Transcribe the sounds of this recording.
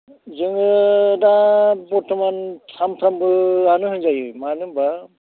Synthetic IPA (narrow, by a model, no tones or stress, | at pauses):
zɯŋɯdabɔtʰɔmantʰamtʰambɯanɯɦɯɲzajɯjmanɯba